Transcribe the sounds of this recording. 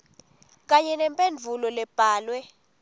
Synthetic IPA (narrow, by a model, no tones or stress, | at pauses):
k̬ʼaɲɛnɛmpʼend͡vʱulɔlɛb̥ʱaːlwɛ